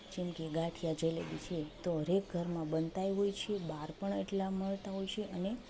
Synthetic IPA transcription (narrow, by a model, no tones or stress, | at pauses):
d͡ʒemkeɡaʈʰijad͡ʒelḛʋit͡ʃʰet̪oɦəɾek̚ɡʱəɾmãbənt̪ajɦojt͡ʃʰebaɾpəɳeʈlaməɭt̪aɦojt͡ʃʰeʔəne